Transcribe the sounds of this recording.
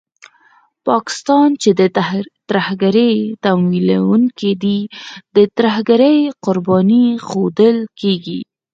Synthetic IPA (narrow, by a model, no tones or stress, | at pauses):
pɑkɪ̥st̪ɑnt͡ʃed̪ət̪ɾahɡaɾəjt̪amwila̰wuŋkid̪id̪ət̪ɾahɡaɾəjqʊɾbɑnixod̪əlkeɡḭ